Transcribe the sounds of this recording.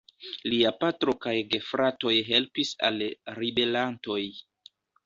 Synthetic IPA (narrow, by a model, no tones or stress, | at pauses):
liapatɾo̞kajɡe̞fɾato̞jɦe̞lpisa̰lɾibe̞lanto̞j